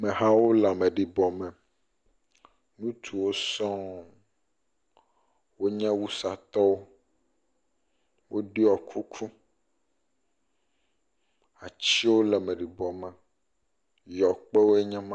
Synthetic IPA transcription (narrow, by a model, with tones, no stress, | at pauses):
mɛ̃˨ɦã˦wo˦la˨mɛ̃˨ɖi˨bɔ˨mɛ̃˨ | nũ˦t̪ʰu˨wo˦sɔ̃˦ | wo˦ɲɛ̃˦wu˦sa˨t̪ɔ˦wo˦ | wo˦ɖi˦ɔ˨kʰu˦kʰu˦ | a˨t͡ɕi˦wo˦lɛ˨mɛ̃˨ɖi˨bɔ˨mɛ̃˨ | jɔ˨k͡pɛ˦wo˦ɛ˦ɲɛ̃˦mã˦